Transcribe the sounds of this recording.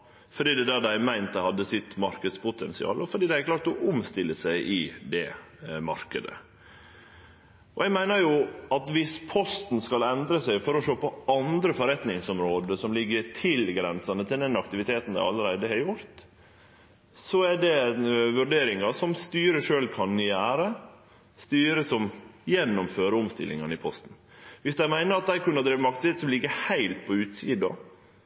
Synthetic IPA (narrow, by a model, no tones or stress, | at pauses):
fɔɖiːd̪ɛd̪æːd̪æɪmæɪnt̪̚d̪əhɑd̪ːəsɪt̪mɑɾkəd̪spʊt̪ʰɛnsɪɑ̰ːlɔfɔɖiːd̪æɪhæɾklɑːɾt̪ɔʔʊmst̪ɪlːəsæɪʔɪd̪ɛmɑ̰ɾkəd̪ə̰ | ɔɛɡmæɪnəɾjʊɑt̪ʋɪspʰɔst̪nskɑlɛnd̪ɾəsæɪfɔɾɔʂoːpɔɑnd̪ɾəfɔɾɛt̪nɪŋsɔmɾoːd̪əsɔmlɪɡːət̪ʰɪlɡɾɛ̰nsɑnət̪ʰɪld̪ɛnɑkt̪ɪʋɪt̪ʰeːt̪n̩d̪æ̰ɪɑ̰lːəɾæɪd̪əhɛɾjʊɾt̪ | sɔæɖɛʋʉɾɖeːɾɪŋɑsɔmst̪yːɾəʂøːlkʰɑnnʏjæːɾə | st̪yːɾəsɔmjɛnːɔmføːɾəʊmst̪ɪ̰lːɪ̰ŋɑnɪpʰɔst̪n̩ | ʋɪsd̪æɪmæɪnəɾɑt̪̚d̪æɪkʉnːɑd̪ɾiːʋmɑkt̪sɪɛt̪sɔmlɪɡːəhæɪlt̪̚pʰɔʉːt̪siːd̪ɑ̰